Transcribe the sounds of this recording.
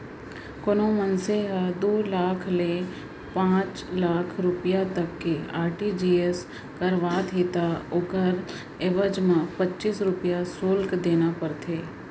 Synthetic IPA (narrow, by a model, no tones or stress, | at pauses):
konomənseɦəd̪oːlaːkʰle | pãːt͡ʃlaːkʰɾʊpijat̪ɐkːeaːɾʈid͡ʒiːes | kəɾʋaːt̪ɦeːt̪aoːkəɾ | eːʋəd͡ʒmãpɐtːt͡ʃiːsɾʊpjasoːlkd̪eːnapɐɾt̪ʰeː